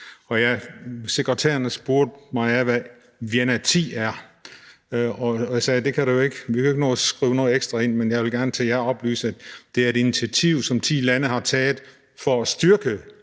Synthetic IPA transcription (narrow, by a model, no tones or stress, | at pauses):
ɒ̽jɑ̈ɪse̝ɡ̥ʁət͡sʰæ̰ːɐnəsb̥oɐ̰d̥mɑ̈ɪæʋæ | ʋienæt͡sʰḭːæɐ | ɒ̽jasɛːd̥e̝kʰæɾejo̝e̝ɡ̥ʋikʰæe̝ɡ̥ənɔːsɡ̥ʁḭːʊnɔ̽ːð̩ˠeɡ̥sd̥ʁɑe̝n̰menjɑɪʋelɡ̥æɐnət͡sʰejæɐɒ̽b̥ly̰ːsəæd̥d̥e̝æɐe̝d̥init͡sʰiæt͡sʰiʊ̰sɒ̽mt͡sʰḭːlænəhɑ̈t͡sʰɛːð̩ˠ | fɒ̽æsd̥yɐɡ̥ə